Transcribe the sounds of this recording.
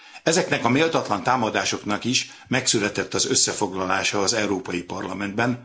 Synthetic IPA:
ɛzɛknɛkɒmeːlt̪ɒt̪lɒnt̪aːmɒd̪aːʃo̞knɒkiʃ | mɛksylɛt̪ɛt̪ːɒzø̞sːɛfo̞ɡlɒlaːʃɒːzɛwɾoːpɒjipɒrlɒmɛnd̪bɛn

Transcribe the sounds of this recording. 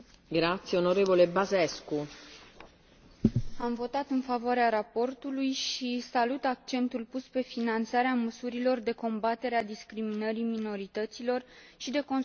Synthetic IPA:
ɡɾat̪sjeonoɾevolebazɛsku | amvo̞t̪at̪ɨnfavoaɾeaɾapo̞rt̪ulujʃisalut̪ak̚t͡ʃe̞nt̪ulpuspe̞finant̪saɾeaməsuɾilo̞rd̪e̞ko̞mbat̪e̞ɾead̪iskɾiminəɾimino̞ɾit̪ət̪silo̞rʃid̪e̞ko̞n

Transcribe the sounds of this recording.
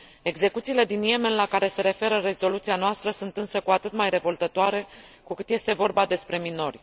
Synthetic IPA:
e̞ɡze̞kut̪siːle̞d̪inje̞me̞nlakaɾe̞se̞ɾe̞fe̞ɾəre̞zo̞lut̪sianoast̪ɾəsunt̪ɨnsəkuat̪ɨt̪majre̞vo̞lt̪ət̪oaɾe̞kukɨt̪je̞st̪e̞vo̞rbad̪e̞spɾe̞mino̞rʲ

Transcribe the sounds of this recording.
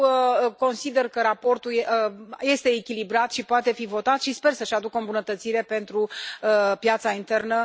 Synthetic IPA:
ko̞nsid̪e̞rkəɾapo̞rt̪uləje̞st̪e̞ːkʲilibɾat̪ʃipoat̪e̞fivo̞t̪at̪ʃispe̞rsəʃad̪ukəombunət̪ət̪siɾe̞pe̞nt̪ɾuəpjat̪saint̪e̞rnə

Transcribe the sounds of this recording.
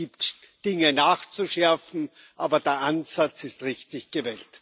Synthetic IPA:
iːpt | d̥ɪŋənaːxt͡suʃɛɐfn̩ | ʔaːbɐdeːɐʔanz̥at͡sɪstʁɪçtɪçɡ̥əvɛːlt

